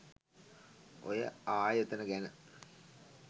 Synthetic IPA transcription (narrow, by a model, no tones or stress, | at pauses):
ʔo̰jə̰aːjət̪ənəɡænə